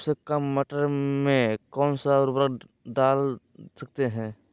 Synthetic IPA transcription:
bsekəmːəʈəɾmẽkɔːnsaɾʊbɾək | daːl | sək̚t̪eɦɛ̃ː

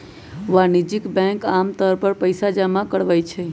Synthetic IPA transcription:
ʋanid͡ʒikbɛ̃ŋkamt̪əɾpəɾpəjsad͡ʒəmakəɽʋəjt͡ʃʰɛ

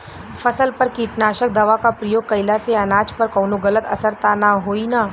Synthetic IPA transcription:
fɐsəlpɐɾkiʈnaːʃək̚d̪ɐʋakapɾɐjoːɡ̚kɐɪlaseɐnaːt͡ʃpɐɾkɔːnoɡɐlət̪ɐsəɾt̪anaɦoːinaː

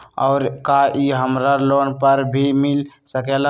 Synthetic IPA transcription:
ɔ̰ːɾkaʔiɦəmɾalonpəɾbʱimilsəkel

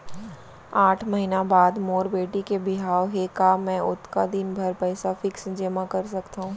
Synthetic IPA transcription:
aːʈʰmɐɦinabaːd̪moːɾbeːʈikebɪɦaːʋɦekamɛ̃ːʊt̪kad̪ɪnbʱɐɾpɛːsafɪksd͡ʒemãkɐɾsɐkt̪aɦũː

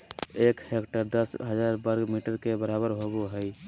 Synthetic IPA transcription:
ekhekʈəɾd̪əsɦəd͡ʒaːɾbəɾɡmiʈəɾkebəɾabəɾɦoɡoɦəj

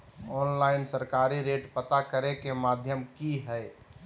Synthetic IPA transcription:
ɔːnlaɪnsəɾkaːɾiɾeːʈpət̪akəɾekemaːd̪ʱjəmkiɦɛɪ

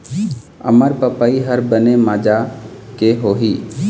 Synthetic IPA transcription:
ə̰məɾpəpaiɦəɾbənemaːd͡ʒakeɦoːɦiː

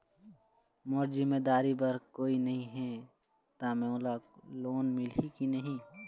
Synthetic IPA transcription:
mʊɾd͡ʒimeːd̪aːɾibɐɾkoːinɐɦĩɦɛ | t̪amẽolaloːnmɪlikinɐɦĩ

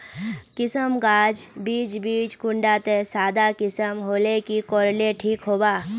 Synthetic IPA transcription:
kɪsəmɡaːd͡ʒbiːd͡ʒbiːd͡ʒkʊ̃ɳɖat̪esaːd̪akɪsəmɦoːlekikɔːɾleʈʰiːkɦoːbaː

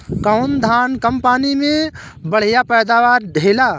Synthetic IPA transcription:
kəʊnd̪ʱaːnkəmpaːnimẽ | bəɽ̤ijapɛːd̪aːʋaːɾɖ̪ʱeːlaː

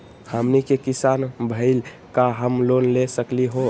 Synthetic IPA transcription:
həmnikekisanbʱəɪl | kaɦəmlonlesəkliɦo

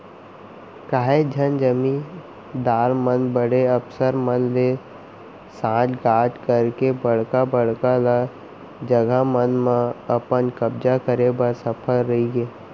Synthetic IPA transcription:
kaːɦed͡ʒʱənd͡ʒəmi | d̪aːɾmənbəɽeəpsəɾmənle | sãːd͡ʒɡaːd͡ʒkəɾkebəɽ̤kabəɽ̤kala | d͡ʒəɡamənmãəpənkəb̚d͡ʒakəɾebəɾsəpʰəlɾɐɦiɡeː

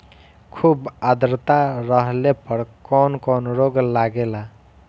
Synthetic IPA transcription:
kʰubad̪ɾt̪aɾʌɦlepʌɾkɔnkɔnɾoɡlaɡela

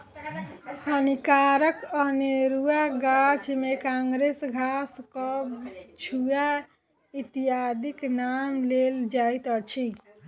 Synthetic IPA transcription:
hənikaɾəkəneɾuaɡat͡ʃmekãŋɡɾesɡʱaskɔbt͡ʃʰuja | it̪iad̪iknamleld͡ʒajt̪ət͡ʃʰi

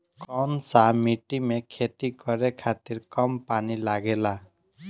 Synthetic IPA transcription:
kʌnsamiʈimekʰet̪ikʌɾekʰat̪iɾkʌmpanilaɡela

